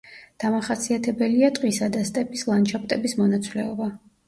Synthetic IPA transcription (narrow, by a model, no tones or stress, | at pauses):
d̪̥amaχasiat̪ʰɛbɛliat̪ʼqʼisad̪ast̪ʼɛpʼislˠant͡ʃʰap̚ʰʼt̪ʼɛbismɔnat̪sʰʼlɛɔba